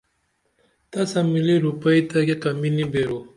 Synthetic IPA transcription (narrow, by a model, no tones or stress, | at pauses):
t̪ɐsamiliɾupɐit̪akekɐminibeɾo